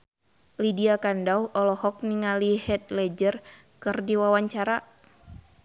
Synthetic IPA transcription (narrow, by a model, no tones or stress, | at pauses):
lidiakandauɔlɔhɔk̚niŋalihɛt̪̚lɛd͡ʒər | kɨrdiwawaɲt͡ʃaɾa